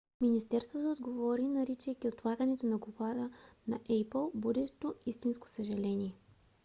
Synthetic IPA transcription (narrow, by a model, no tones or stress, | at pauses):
minist̪ɛɾst̪vot̪ood̪ɡovɔɾinɐɾit͡ʃəjkʲiot̪lˠaɡənɛt̪onɐɡobad̪ənɐʔɛjplˠbud̪ɛʃt̪oist̪insko̥səʒɐlɛniɛ